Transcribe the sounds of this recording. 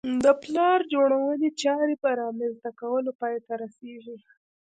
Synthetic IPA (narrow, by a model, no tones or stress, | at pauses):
d̪əplɑɾd͡ʒoɽ̃awəlet͡ʃɑɾebaɾɑmanzd̪akawəlopɑjt̪aɾaseʒi